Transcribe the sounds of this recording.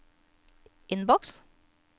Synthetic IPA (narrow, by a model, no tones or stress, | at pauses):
ʔɪnbɔks